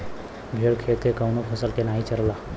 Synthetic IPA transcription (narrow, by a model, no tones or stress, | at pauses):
bʱeɽkʰelkekəʊnopʰəsəlkenaːɦit͡ʃəlla